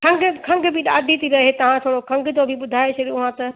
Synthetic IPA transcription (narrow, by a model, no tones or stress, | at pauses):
kʰɐ̃ŋɡkʰɐ̃ŋɡbʱɪɗaːd̪ʱit̪ʰiɾɐɦet̪ɐʋ̤ãt̪ʰoːɽokʰɐ̃ŋɡd͡ʑobʱɪɓʊd̪ʱaːet͡ɕʰɐɠijõʊɦãt̪ɐ